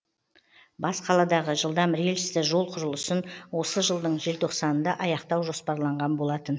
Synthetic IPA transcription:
bɑsqʰɑlˠɑd̪ɑʁəʒəlˠd̪ɑmɾelʃɪ̥st̪ɪʒo̞lˠqʰʊɾəlˠəsənwo̞səʒəlˠd̪əɴʒe̞lt̪ʰo̞qsɑnənd̪ɑʔɑjɑqt̪ɑwʒo̞spɑɾlˠɑɴʁɑnbo̞lˠɑt̪ən

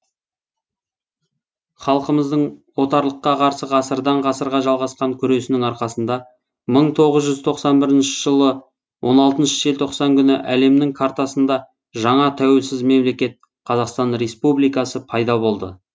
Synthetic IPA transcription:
χɑlˠqəməzd̪əɴwo̞t̪ɑɾlˠəqːɑqʰɑɾsəʁɑsəɾd̪ɑɴʁɑsəɾʁɑʒɑlˠʁɑsqɑŋkʲʰʏɾe̞sɪnɪŋɑɾqɑsənd̪ɑ | məɴt̪ʰo̞ʁəzʒʏzt̪ʰo̞qsɑnbɪɾɪnʃɪ̥ʒəlˠə | wʔo̞nɑlˠt̪ənʃə̥ʒelt̪ʰoqsɑŋkʲʰʏnɪʔæle̞mnɪŋkʰaɾt̪asənd̪ɑ | ʒɑɴɑt̪ʰæwe̞lsɪzme̞mle̞kʲe̞t̪̚ | qʰɑzɑqst̪ɑnre̞spublijkɑsəpʰɑjd̪ɑbo̞lˠd̪ə̰

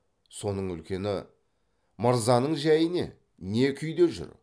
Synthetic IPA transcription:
so̞nəɴʏ̰lkʲe̞nɪ | məɾzɑnəɴʒæjɪne̞̰ | ne̞kʲʰʏjd̪e̞ʒʏ̰ɾ

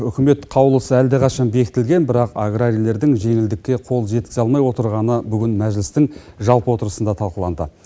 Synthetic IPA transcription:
ʏkʲʰɪme̞t̪qʰɑwlˠəsəæld̪eqʰɑʃɑnbe̞kʲɪt̪ɪlɡʲe̞nbɪɾɑqaɡraɾʲijle̞ɾd̪ɪŋʒe̞ŋɪld̪ɪkʲːe̞qʰo̞lˠʒe̞t̪̚kʲɪ̥zɑlˠmɑjwo̞t̪əɾʁɑnəbʏɡʲɪnmæʒlɪst̪ɪŋ | ʒɑlˠpəwo̞t̪əɾəsənd̪ɑt̪ʰɑlˠqəlˠɑnd̪ə

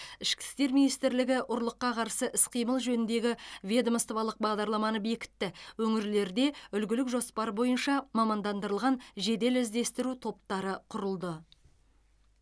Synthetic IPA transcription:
ɪʃkʲɪ̥st̪e̞ɾminijst̪ɪɾlɪɡʲɪʔʊɾlˠəqːɑqʰɑɾsəʔɪsqʰijməlˠʒɵnɪnd̪e̞ɡʲɪvʲe̞d̪əmst̪ovɑlˠəq̚bɑʁd̪ɑɾlˠɑmɑnəbe̞kʲɪ̥t̪ːɪwɵŋɪɾle̞ɾd̪e̞ʏlɡʲɪlɪkʒo̞spɑɾbo̞jənʃɑmɑmɑnd̪ɑnd̪əɾəlˠʁɑnʒe̞d̪e̞lɪzd̪e̞st̪ɪɾut̪ʰo̞p̚t̪ɑɾəqʰʊɾəlˠd̪ə

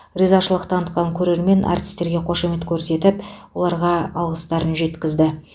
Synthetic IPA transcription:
rizɑʃəlˠəqt̪ʰɑnət̪̚qɑŋkʲʰɵɾe̞ɾme̞nʔɑ̰rt̪ʰi̥st̪e̞ɾɡʲe̞qʰo̞ʃeme̞t̪kʲʰɵɾse̞t̪ɪpwo̞lˠɑɾʁɑɑlˠʁəst̪ɑɾənʒe̞t̪kʲɪzd̪ɪ

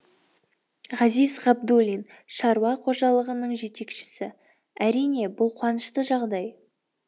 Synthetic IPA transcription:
ʁɑzijzʁɑb̚d̪ulʲin | ʃɑɾuwɑqʰo̞ʒɑlˠəʁənəɴʒe̞t̪e̞kʃɪ̥sɪ | æɾijne̞bʊlˠqʰwɑnəʃt̪əʒɑʁd̪ɑj

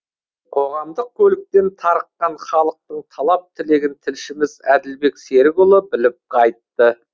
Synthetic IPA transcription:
qʰo̞ʁɑmd̪əq̚kʲʰɵlɪk̚t̪e̞nt̪ʰɑɾəqːɑnχɑlˠəq̚t̪əɴt̪ʰɑlˠɑp̚t̪ʰɪle̞ɡʲɪnt̪ʰɪlʃɪmɪzæd̪ɪlbe̞kse̞ɾɡʊlˠəbɪlɪp̚qʰɑjt̪ːə

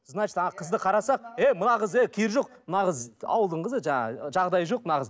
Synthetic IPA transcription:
znɑt͡ʃt̪ʰɑɑqʰəzd̪əqʰɑɾɑsɑqemʊnɑʁəzekʲʰeɾʒo̞q̚nɑʁəzɑ̰wəlˠd̪əɴqʰəzəʒɑɴɑ̰ʒɑʁd̪ɑjʒo̞q̚nɑʁəz

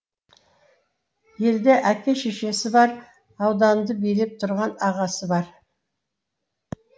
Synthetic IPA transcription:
je̞ld̪eʔækʲeʃeʃe̞sɪbɑɾ | ɑwd̪ɑnd̪əbijlep̚t̪ʰʊɾʁɑnɑʁɑsəbɑɾ

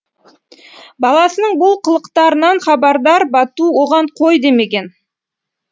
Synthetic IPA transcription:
bɑlˠɑsənəɴbʊlˠqʰəlˠəqt̪ɑɾənɑɴχɑbɑɾd̪ɑɾbɑt̪uwo̞ʁɑɴqʰo̞jd̪e̞me̞ɡʲe̞n

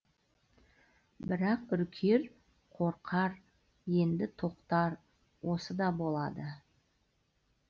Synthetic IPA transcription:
bɪɾɑqʏɾkʲʰe̞ɾ | qʰo̞ɾqʰɑɾ | je̞nd̪ɪt̪ʰo̞qt̪ɑɾ | wʔo̞səd̪ɑbo̞lˠɑd̪ə

